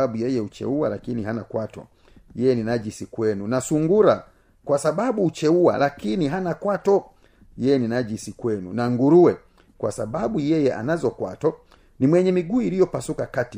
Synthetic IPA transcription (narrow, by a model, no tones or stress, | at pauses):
aɓujɛjɛut͡ʃɛ̰ualakiniɦanakwatɔ̰ | jɛjɛninad͡ʒisikwɛnunasuŋɡuɾa | kwasababuːt͡ʃɛuwa̰lakiniɦanakwatɔ | jɛjɛninad͡ʒisikwɛnunaŋɡuɾuwɛ | kwa̰sababujɛjɛʔa̰nazɔkwatɔ | nimwɛɲɛmiɡuːiɾijɔpasukakati